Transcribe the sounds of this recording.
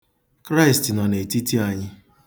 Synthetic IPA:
kɾa˦ɪ˨stnɔ˨ne˨ti˦ti˦a˨ɲɪ˦

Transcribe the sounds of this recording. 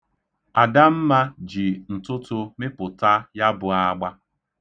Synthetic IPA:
a˨da˦m̩˦ma˦d͡ʒi˨n̩˨tʊ˦tʊ˦mɪ˦pʊ˨ta˦ja˦bʊ˨a˦ɡ͡ba˦

